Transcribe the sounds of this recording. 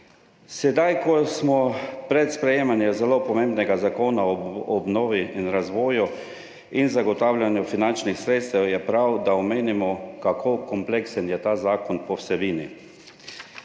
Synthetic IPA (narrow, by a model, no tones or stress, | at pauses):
sɛd̪ajkɔsmɔpɾɛt̪spɾɛjeːmanjɛzɛlopɔmembnɛɡazakoːnaɔɔbnoːʋiinɾazʋɔːju | inzaɡɔt̪aːwlʲjanjufinant͡ʃnixsɾeːt̪st̪ɛwjɛpɾawd̪aɔmeːnimɔkakʰoːkɔmpleksənjɛt̪aːzaːkɔnpɔwsɛbiːnḭ